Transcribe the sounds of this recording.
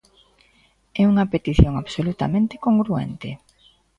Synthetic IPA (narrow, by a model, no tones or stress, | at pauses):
ɛuŋɐpet̪iθjoŋaβsolut̪a̰mẽnt̪ɪ̥koŋɡɾuɛ̰nt̪ɪ